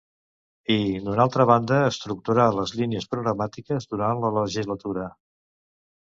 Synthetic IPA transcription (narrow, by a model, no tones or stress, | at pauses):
id̪unalˠt̪ɾəβ̞and̪əːst̪ɾuk̚t̪uɾaləzliniəspɾuɣɾəmat̪ikəzðuɾanlələʒizlət̪uɾə